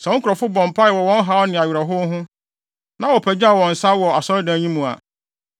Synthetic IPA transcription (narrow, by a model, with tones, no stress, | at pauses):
sɛ˨ɔ̃˦ŋ̩˦kʰʊ˨ɾɔ˨fʊ˦bɔ̃˨m̩˨pʰa˦ɛ˨wɔ˨wɔ̃˦n˦ɦa˦ɔ˦nɪ̃˨a˨ɥɾa˨ɦʊ˦ɦʊ̃˦ | nã˦wɔ˨pʰæ˨d͡ʑa˦˨wɔ̃˨n̩˨sa˦wɔ˨a˨sɔ˦dã˨˦ɲĩ˦mũ˨a̰˨